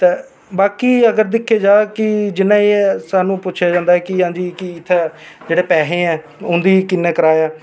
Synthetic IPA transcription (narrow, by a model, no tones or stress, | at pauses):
t̪eː | baːkiːəɡəɾd̪ɪkʰːeːd͡ʒaːkɪd͡ʒɪnːãːeːsaːnũːpʊt͡ʃʰjaːd͡ʒãːnd̪aɛːkɪɦãːɲd͡ʒiːkɪɪt̪ʰːeː | d͡ʒeːɽeːpɛːɦẽːɛː | ʊnd̪iːkɪnːɛ̃ːkəɾaːjaː